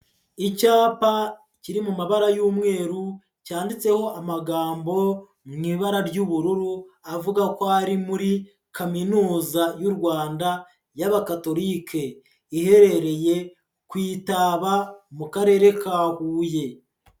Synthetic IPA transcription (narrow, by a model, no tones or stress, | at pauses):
icaːpa | ciɾimumaβaɾajuːmŋe̞ːɾu | caːndit͡se̞ho̞amaɡaːmbo̞ | mŋiːβaɾaɾɟuβuɾuɾuavuɡakohaɾimuɾi | kʰaminuːzajuɾɡwaːnda | jaβakato̞ɾiːkʰe̞ | ihe̞ɾe̞ɾe̞je̞ | kwiːtaβamukaɾe̞ːɾe̞kahuːje̞